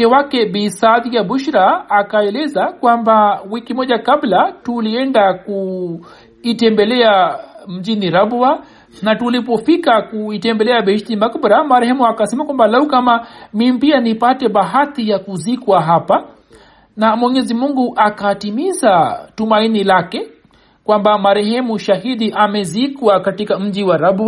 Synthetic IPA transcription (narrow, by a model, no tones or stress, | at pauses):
ɛwakɛɓisaðijaɓuʃɾaːkaɛlɛzakwambawikimɔʄakablatuliɛndaku | itɛmbɛlɛam̩ʄiniɾabua | natulip̬ɔfikakuitɛmbɛlɛaɓɛʃtimakbɔɾamaɾɛhɛmuakasɛmakwambalaukamamimipianipatɛɓaɦatijakuzikwaɦapa | namwɛɲɛzimuŋɡuʔakatimizatumainilakɛ | kwambamaɾɛɦɛmuʃaɦiɗiʔamɛzikwakatikam̩d͡ʒiwaɾaba